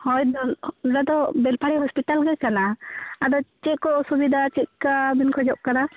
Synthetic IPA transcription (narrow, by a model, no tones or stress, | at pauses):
hɔjd̪dad̪ɔbɛlpʰaɽiɦɔspiʈalɡɛjkanaad̪ɔt͡ʃɛʔ̚kɔɔsubid̪at͡ʃɛʔ̚kabinkʰɔd͡ʒɔʔkana